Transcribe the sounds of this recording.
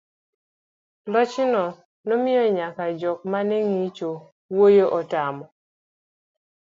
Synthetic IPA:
lɔt͡ʃɪnɔ | nɔmɪjɔɲakad͡ʒɔk̚maneŋit͡ʃo | wojoʔɔtamɔ

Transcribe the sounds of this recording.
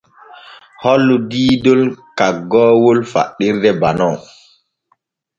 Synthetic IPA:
hɔlːudiːdolkaɡːɔːwolfa̰ɗːiɾdɛbanɔw

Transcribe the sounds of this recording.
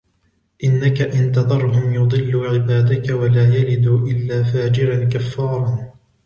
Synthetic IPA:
ʔɪnːakaʔɪnt̪ɑðˤɑɾˤɦʊmjʊd̪ˤɨlːuːʕɪbaːd̪akawalaːjalɪd̪uːʔɪlːaːfaːd͡ʒɪɾankafːɑːɾˤɑn

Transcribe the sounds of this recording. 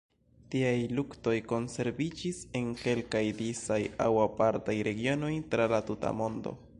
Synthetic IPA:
tiajlukto̞jko̞nse̞ɾbid͡ʒise̞ŋke̞lkajdisajawapaɾtajɾe̞ɡio̞no̞jtɾalatuta̰mo̞ndo̞̰

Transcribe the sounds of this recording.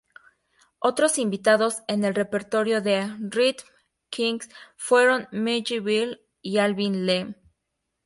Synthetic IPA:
o̞t̪ɾo̞simbit̪að̞o̞se̞ne̞lre̞pe̞ɾt̪o̞ɾjo̞ðe̞rit̪ | kʰiŋɡsfwe̞ɾo̞nmed͡ʒiβil | ialβĩnlem

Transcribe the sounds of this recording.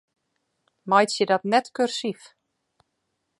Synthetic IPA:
majtsjədɔtnɛtkørsif

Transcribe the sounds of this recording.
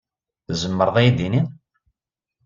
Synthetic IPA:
zəmːəɾðˤæjd̪ini

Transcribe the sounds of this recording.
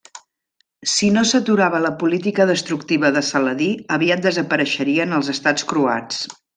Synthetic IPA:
sinosət̪uɾaβələpulit̪ikəðəst̪ɾukt̪iβəðəsələðiəβiət̪̚d̪əzəpəɾəʃəɾiənəlˠzəst̪at͡skɾua̰t͡s

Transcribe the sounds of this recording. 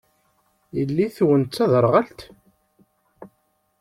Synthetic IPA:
jəlːiθwənt͡s̪t͡sːæðəɾˤʁælt̪

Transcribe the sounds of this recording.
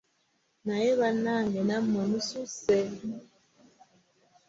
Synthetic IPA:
najeβanːaŋɡenamːonususe

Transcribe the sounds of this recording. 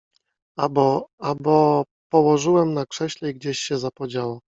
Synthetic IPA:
abɔabɔ | pɔwɔʐɘwɛmnakʂɛɕlɛiɡd͡ʑeɕɕɛzapɔd͡ʑawɔ

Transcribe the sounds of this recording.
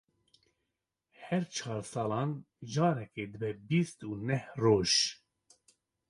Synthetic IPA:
hɛɾt͡ʃʰɑːɾsɑːlɑːn | ʒɑːɾɛkeːd̪ɨbɛbist̪uːnɛhroːʒ

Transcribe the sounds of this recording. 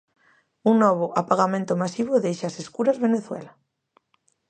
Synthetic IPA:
uŋnɔβ̞oʔapaɣamẽnt̪omasiβ̞oðejʃaseskuɾazβeneθwḛla

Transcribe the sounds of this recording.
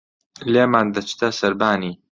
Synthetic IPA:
leːmaːnd̪ɐt͡ʃt̪ɐsɐɾbaːniː

